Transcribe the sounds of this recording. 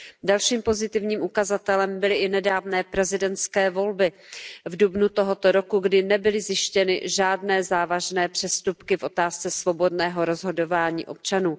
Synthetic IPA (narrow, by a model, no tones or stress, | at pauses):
dalʃiːmpo̞zɪt̪ɪvɲiːmʔukazat̪ɛlɛmbɪlɪʔɪnɛdaːvnɛːpɾɛzɪdɛnt̪t͡skɛːvo̞lbɪvdubnut̪oɦo̞t̪o̞ɾo̞kuɡdɪnɛbɪlɪzjɪʃcɛnɪ̰ʒaːdnɛːzaːvaʒnɛːpr̥ɛst̪upkɪfʔo̞t̪aːst͡sɛsvo̞bo̞dnɛːɦo̞ɾo̞zɦo̞do̞vaːɲḭːʔo̞p̚t͡ʃanuː